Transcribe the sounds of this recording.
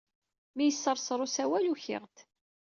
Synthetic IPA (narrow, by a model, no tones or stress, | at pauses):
mijəsːəɾˤsˤɾˤosæwæluçɪ̰ʁt̪